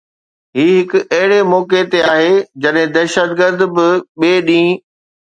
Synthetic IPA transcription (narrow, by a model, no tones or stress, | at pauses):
ɦiːɦɪkɐɦɪɽemɔːket̪eaːɦeːd͡ʑɐɗɦɪ̃d̪ɐːʃət̪ɡəɾd̪bɪɓeːɗĩː